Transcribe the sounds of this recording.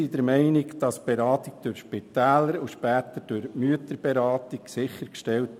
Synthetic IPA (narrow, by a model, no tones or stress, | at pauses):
id̥əɾmɛɪnɪɡd̥ɑsb̥eɾɑːtɪɡ̥̚d̥ʊɾʃpɪt̪æːləɾuʃpæːt̪əd̥ʊɾmyət̪əɾb̥ɛɾɑːt̪iɡsɪχəɾkʃtɛlt